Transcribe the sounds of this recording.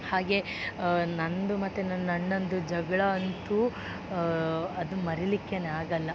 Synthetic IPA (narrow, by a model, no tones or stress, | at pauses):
haːɡe̞ | nɐnd̪umɐt̪ːenɐnːɐnːond̪ud͡ʒɐɡɐɭɐːnt̪u | ɐd̪umɐɾilikːeneaːɡɐlːɐ